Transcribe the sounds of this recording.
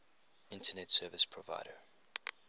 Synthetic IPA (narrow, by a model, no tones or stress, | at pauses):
ɪ̃ntʰənɛtsɜːvəspʰɹɔva̰ɪɾə